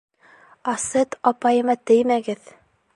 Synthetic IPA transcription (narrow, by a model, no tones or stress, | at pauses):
ɑsɤt̪ɑpɑjɤ̆mɑt̪ɘ̆jmæɡɘð